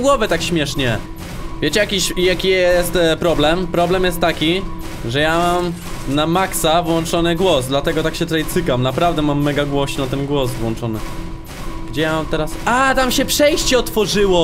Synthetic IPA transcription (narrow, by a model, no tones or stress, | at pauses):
ɡwɔvɛt̪akɕmʲjɛʂɲɛ | vʲjet͡ɕɛjakʲiɕjakʲijɛst̪pɾɔblɛmpɾɔblɛmjɛst̪ːakʲi | ʐɛjamam | namaksavwɔnt͡ʂɔnɘɡwɔzd̪lat̪ɛɡɔt̪akɕɛt̪ɾɛjt̪sɘkamnapɾavd̪ɛmamːɛɡaɡwɔɕinat̪ɛnɡwɔzvwɔnt͡ʂɔnɘ | ɡ̥d͡ʑɛjamamt̪ɛɾasʔat̪amɕɛpʂɛjɕt͡ɕɛɔt̪fɔʐɘwɔ